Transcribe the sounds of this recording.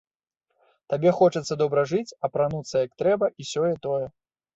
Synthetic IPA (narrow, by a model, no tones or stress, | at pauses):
t̪abʲɛxɔt͡ʂɐt̪sːɐd̪ɔbɾɐʐɨt͡sʲɐpɾanut̪sːɐjɐk̚t̪ɾɛbɐʔisʲɔjɛt̪ɔjɛ